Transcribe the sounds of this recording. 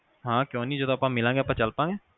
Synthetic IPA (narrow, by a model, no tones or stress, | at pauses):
ɦãːkjõːniːd͡ʒod̪õːpãːmɪlãːɡeːpãːt͡ʃəlpãːɡeː